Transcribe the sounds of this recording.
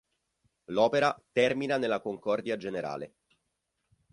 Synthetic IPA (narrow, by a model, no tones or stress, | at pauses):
lɔːpeɾat̪ɛrminanelːakoŋkɔrd̪iad͡ʒeneɾa̰ːlḛ